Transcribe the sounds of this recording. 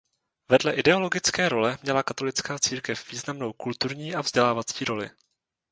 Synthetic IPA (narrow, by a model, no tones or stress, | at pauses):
vɛdlɛʔɪdɛo̞lo̞ɡɪt͡skɛːɾo̞lɛmɲɛlakat̪o̞lɪt͡skaːt͡siːɾkɛfv̥iːznamno̞wkult̪uɾɲiːʔavzɟɛlaːvat͡siːɾo̞lɪ̰